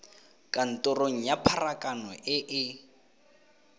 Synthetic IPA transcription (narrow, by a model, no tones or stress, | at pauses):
kʼan̩tʼʊroŋ̩japʰarakʼanɔʔɪʔɪ